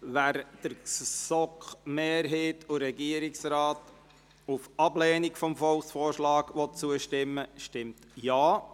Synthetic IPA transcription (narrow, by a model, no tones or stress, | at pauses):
ʋæɾd̥əɾsɔkχmeːɾɦeːtʊɾɛɡiəɾɪksɾɑːt | ufɑblɛːnikfɔmfɔlˠksfoːrʃlɑːɡʋɔt̚t͡suəʃtɪmːəʃtɪmt̪jaː